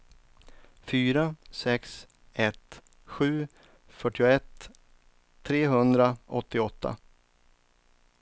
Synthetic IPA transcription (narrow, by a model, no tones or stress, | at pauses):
fyːɾasɛks | ɛt̪ | ɧʉ̟ː | fœʈːɪʊɛt̪ʰ | ɾeːɦɵnd̪ɾaɔt̪ːɪɔt̪ʰːa̰